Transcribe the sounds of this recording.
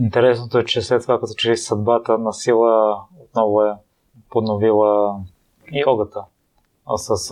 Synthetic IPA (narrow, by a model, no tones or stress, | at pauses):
int̪ɛɾɛsnot̪oɛt͡ʃɛslɛt̪ːovakɐt̪ɔ̥t͡ʃɛɾisɐd̪̚bat̪ənɐsilˠəot̪̚nɔvoɛ | ponovilˠə | iɔɡət̪ə | səs